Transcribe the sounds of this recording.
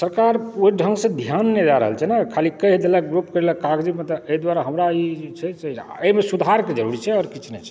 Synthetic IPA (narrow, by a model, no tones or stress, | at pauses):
səɾkaɾoiɖʱəŋɡsẽd̪ʱjanːed͡ʒaɾə̰ɦəlt͡ʃʰɛnakʰalikəɦd̪eləɡɾupkəɾeləkaɡd͡ʒimet̪ɔeid̪waɾaɦəmɾait͡ʃʰɛsɛemesud̪ʱaɾked͡ʒəɾuɾit͡ʃʰɛɔːɾkit͡ʃʰnɛt͡ʃʰɛ̥